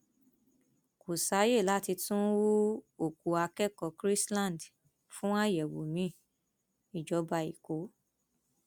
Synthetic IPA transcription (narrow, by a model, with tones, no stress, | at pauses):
ko˨sa˨˦je˦˨la˨˦ti˧tũ˦wu˦o˦˨ku˨˧a˧kɛ˦kɔ˨˧˨kɾi˦slã˦˨n˨d | fũ˦a˦jɛ˨wo̰˨mĩ˨˦ | i˨d͡ʒɔ˨˦ba˧ḭ˨ko˨˦